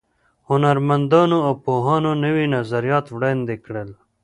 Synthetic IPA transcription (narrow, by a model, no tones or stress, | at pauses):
hʊnɐɾmɐnd̪ɑːnoopoːɦɑːnonəwinɐzɐɾjɑːt̪ʋɽend̪ekɽel